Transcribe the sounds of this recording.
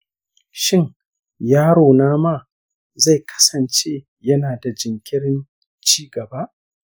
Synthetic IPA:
ʃɪ˦˨ŋ | jaː˦ɽoː˨naː˦maː˦ | za˦˨jkʰɐ̥˦sɐ˨nt͡ʃeː˦ | jɐ˦naː˨da˨d͡ʒɪ˨ŋkʲɪ˦ɽɪ˦n | t͡ʃiː˦ɡɐ˨ba˦ʔ

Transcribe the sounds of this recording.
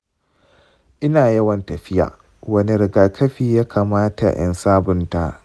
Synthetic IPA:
ʔɪ˦naː˨jɐ˦wɐ˨ntɐ˨ɸɪ˦ja̰ː˨ | wɐ˦ni˦ɾɪ˨ɡaː˨kʰɐ˦ɸiː˦˨jaː˦kʰaː˨maː˦ta̰˨j̰ʔɐ̰˦nsaː˦bʊ˨nta˦ʔ

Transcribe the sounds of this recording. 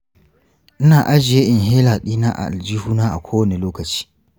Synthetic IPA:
ʔɪ˦naː˨ʔa˦d͡ʒɪ˨je˦ʔɪ˨nɦeː˦laː˨ɗiː˦naː˦ʔa̰˨ʔa˨ld͡ʒi˦huː˦naː˦ʔa̰˨kʷʰoː˦wɐ˦˨ne˨loː˦kɐ˨t͡ʃi̥ː˦

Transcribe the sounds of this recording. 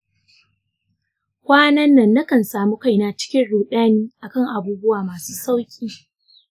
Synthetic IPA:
kʷaː˦nɐ˦nːɐ˨nːa˦kɐ˨nsaː˨mu˦ka˦˨jnaː˦t͡ʃɪ̥˦kʲɪ˦nɽuː˨ɗaː˦niː˦ʔa˨kɐ˦˨ŋʔa˨buː˦bʊ˦waː˨maː˨suː˦sa˦wkʲʼiː˦

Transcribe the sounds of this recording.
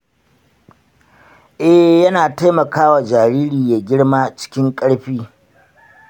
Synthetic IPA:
ʔɛ˦hjɐ˦naː˨ta˦jmɐ˨kaː˦wa˨d͡ʒaː˨ɾiː˦ɾiː˨ja˨ɡʲɪ˦ɽmaː˦t͡ʃɪ̥˦kʲɪ˦ŋkʼɐ˦ɽɸiː˦

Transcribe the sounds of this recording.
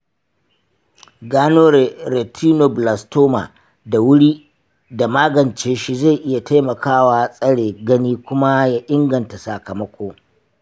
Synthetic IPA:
ɡaː˦noː˦ɾɾe˨tʰiː˦no˨bla˨stoː˦ma̰˨ | da˨wʊ˦ɽiː˦ | da˨maː˦ɡɐ˨nt͡ʃeː˦ʃi˦za˦˨jʔɪ˦ja˨ta˦jmɐ˨kʰaː˦waː˦sʼɐ˦ɽeː˨ɡɐ˦niː˦kʷʊ˦ma˦jaː˦ʔɪ˦ŋɡɐ˨nta˨sa˨kɐ˨mɐ˦kʷoː˦

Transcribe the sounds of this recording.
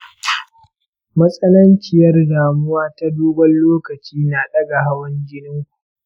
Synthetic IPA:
mɐ˦sʼɐ˦nɐ˦nt͡ʃɪ˨jɐ˦rdaː˨mʊ˦waː˦ta˦doː˦ɡʷɐ˦nloː˦kɐ˨t͡ʃiː˦naː˨ɗɐ˦ɡa˨ɦa˦wɐ˦ɲɡʲɪ˦nɪ˦ŋkuʔ

